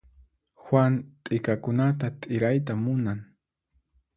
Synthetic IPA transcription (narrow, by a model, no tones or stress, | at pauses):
xwant̪ʼɪkakʊnat̪at̪ʼɪɾajt̪amʊnaŋ